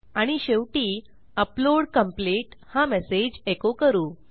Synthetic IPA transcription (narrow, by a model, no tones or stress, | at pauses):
aɽ̃iɕeʋʈiː | əploɽkəmpleʈhamɛsed͡ʑekokəɾuː